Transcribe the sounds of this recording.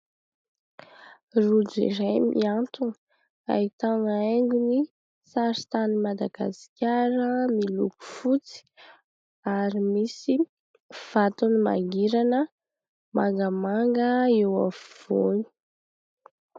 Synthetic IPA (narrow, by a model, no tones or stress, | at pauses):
rud͡zḭɾajmʔḭant̪un | a̰it̪aŋaeŋɡuni | saɾit̪animad̪aɡ̥a̰si̥kʲaɾəmiluku̥fut͡si̥ | aɾimisi | v̥at̪unima̰ɡiɾanə | maŋɡamaŋɡəewa̰vv̥oni̥